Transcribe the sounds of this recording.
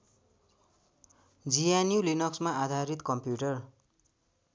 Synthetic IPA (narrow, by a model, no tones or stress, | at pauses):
d͡zijanjulinʌksmaʔad̪ʱaɾit̪kʌmpjuʈʌr